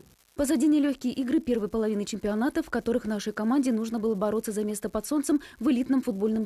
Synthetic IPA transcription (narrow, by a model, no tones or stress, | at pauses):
pəzɐdʲenʲɪəlʲɵçʲkʲɪjəʔiɡɾɨpʲe̞rvɨjəpəlˠɐvʲinɨt͡ɕɪmʲpʲɪɐnat̪əfkɐt̪o̞ɾɨxvnaʂəjkɐmanʲdʲɪnuʐnəbɨlˠəbɐɾo̞t̪səzɐmʲe̞st̪əpɐt̪so̞nt̪səmvɨlʲit̪nɨmfʊd̪̚bo̞lʲnɨm